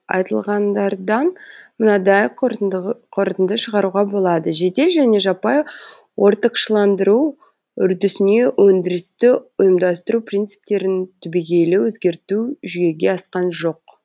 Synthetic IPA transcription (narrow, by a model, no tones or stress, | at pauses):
ɑ̰jt̪əlˠʁɑnd̪ɑɾd̪ɑnmʊnɑd̪ɑj | qʰoɾt̪ənd̪əʃəʁɑɾuʁɑbo̞lˠɑd̪əʒe̞d̪e̞ʒæne̞ʒɑpɑj | wo̞ɾt̪əqʃəlˠɑnd̪əɾu | ʏɾd̪ʏsɪne̞wɵnd̪ɪɾɪst̪ɪʊjəmd̪ɑst̪əɾuprijnt̪sɨ̥p̚t̪e̞ɾɪnt̪ʰʏbiɡʲe̞lɪwɵzɡʲe̞ɾt̪uʒʏje̞ɡʲe̞ɑsqɑnʒo̞q